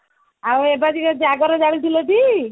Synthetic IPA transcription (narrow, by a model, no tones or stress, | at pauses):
awebad͡ʒikɔd͡ʒaɡɔɾɔd͡ʒaɽit̪ʰilɔʈ̪i